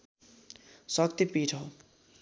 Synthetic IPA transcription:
sʌkt̪ipiʈʰʌo

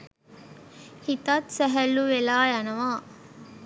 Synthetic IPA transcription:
hit̪ɐt̪sɛɦæluʋelaːjanɐʋaː

